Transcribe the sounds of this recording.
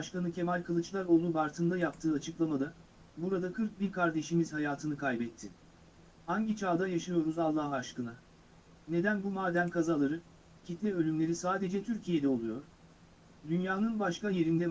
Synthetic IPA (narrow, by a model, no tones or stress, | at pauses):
ʃkanɯcʰe̞malʲkʰɯlˠɯt͡ʃlˠaɾo̞ːlˠubaɾt̪ʰɯnd̪ajap̚t̪ʰɯːat͡ʃʰɯklˠamad̪a | buɾad̪akʰɯɾk̚biɾkʰaɾd̪e̞ʃimiz̥hajaːt̪ʰɯnɯkʰajbɛt̪ʰːɪ | haɲɟit͡ʃʰaːd̪ajaʃɯjo̞ɾuzalˠːahaʃkɯna | ne̞d̪ænbumaːd̪æmkʰazalˠaɾɯ | cʰit̪lʲɛø̞lʲymlʲe̞ɾisaːd̪e̞d͡ʒɛt̪ʰyɾcʰije̞d̪ɛo̞lˠujo̞ɾ̥ | d̪ynjaːnɯnbaʃkaje̞ɾind̪ɛ